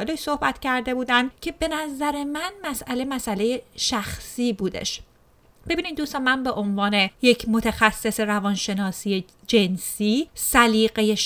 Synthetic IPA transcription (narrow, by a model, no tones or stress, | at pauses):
eleʃso̞hbæt̪ʰcæɾd̪e̞buːd̪ænd̪cʰe̞be̞næzæɾe̞mænmæsʔæle̞mæsæle̞jeʃæxsiːbuːd̪e̞̰ʃ | b̥e̞biːniːd̪d̪uːst̪ɑːmænbe̞ʔonvɒːne̞je̞cʰmo̞t̪ʰæxæsːe̞se̞ɾævɒnʃe̞nɒːsiːje̞ | d͡ʒe̞nsiːsæliːɢe̞je̞